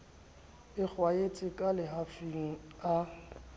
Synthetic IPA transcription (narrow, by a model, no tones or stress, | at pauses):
ɪk͡xwaet͡sʼɪkʼalɪɦafiŋ̩a